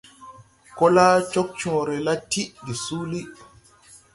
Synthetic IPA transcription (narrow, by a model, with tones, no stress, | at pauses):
kɔ˦la˦t͡ʃɔ˦k̚t͡ʃɔ̃ɾɛ˨la˦tːi˦di˨suː˦li˦